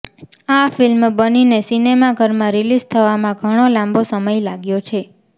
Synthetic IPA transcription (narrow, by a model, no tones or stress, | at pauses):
afilmbəninesinemaɡʱəɾmãɾilizt̪ʰəʋamãɡʱəɽ̃olãmbosəməjlaɡjot͡ʃʰe